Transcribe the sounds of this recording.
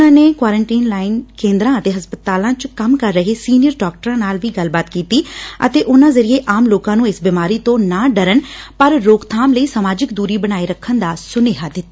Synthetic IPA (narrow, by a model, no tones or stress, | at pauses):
ãːneːkwaːɾəɳʈiːnlaːɪnkẽːnd̪ɾãːət̪eːɦəspət̪aːlãːt͡ʃkəmkəɾːəɦeːsiːnɪjəɾɖaːk̚ʈəɾãːnaːlʋiːɡəlbaːt̪kiːt̪iːə̰t̪eːʔʊnãːzəɾɪeːʔaːmloːkãːnũːɪsbɪmaːɾiːt̪õːnãːɖəɾəɳpəɾɾoːkt̪ʰaːmləiːsəmaːd͡ʒɪkd̪uːɾiːbəñaːiːɾəkʰːənd̪aːsʊneːɦaːd̪ɪt̪ːaː